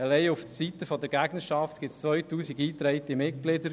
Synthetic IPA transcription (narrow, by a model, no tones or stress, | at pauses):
ɛlɛɪuftsit̪əfɔd̪əɾɡæɡnəʃɑft̪ɡ̥ɪt̪st͡sʋœjtuːsiɡiːt̪ɾɛɪt̪imɪt̚ɡ̥lɪd̪əɾ